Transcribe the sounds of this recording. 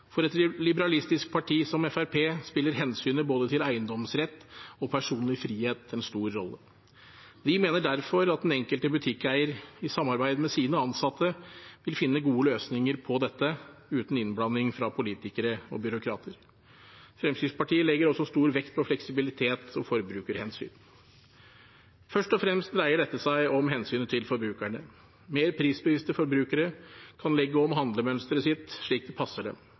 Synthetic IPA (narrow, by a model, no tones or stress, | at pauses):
fɔɾɛt̪lɪbəɾɑlɪst̪ɪsk̚pʰɑʈʰiːsɔmɛfæɾpʰeːspɪlːəɾɦɛnsyːnəboːd̪ət̪ʰɪlæɪənd̪ɔmsɾɛt̪ːɔpʰæʂuːnn̩ɪfɾiːheːt̪ɛnst̪uːɾːɔ̰lːə̰ | d̪ɪmeːnəɖæɾfɔɾɑt̪̚d̪ɛnɛŋkəlt̪əbʉt̪ʰɪkːæɪəɾɪsɑmːɑɾbæɪd̪əmɛsiːnəɑnsɑt̪ʰːəʋɪlfɪnːəɡuːəløːsnɪŋəɾpʰɔd̪ɛt̪ːəʉːt̪n̩ɪnblɑnːɪŋfɾɑpʰʊliːt̪ɪkəɾəɔ̰bʏɾʊkʰɾɑ̰ːt̪ʰəɾ | fɾɛmsʏspʰɑʈʰiːəlɛɡəɾɔsːɔst̪uːɾʋɛkt̪̚pʰɔflɛksɪbɪlɪt̪ʰeːt̪ɔfɔɾbɾʉːkəɾhɛnsy̰ːn | fœʂʈɔfɾɛmst̪̚d̪ɾæɪəɖɛt̪ːəsæɪʔɔmɦɛnsyːnət̪ʰɪlfɔɾbɾʉːkæɳə | meːɾpʰɾiːsbəʋɪst̪əfɔɾbɾʉːkəɾəkʰɑnlɛɡːəɔmɦɑnd̪ləmœnst̪əɾəsɪt̪ʂɭiːk̚d̪ɛpʰɑsːəɖɛ̰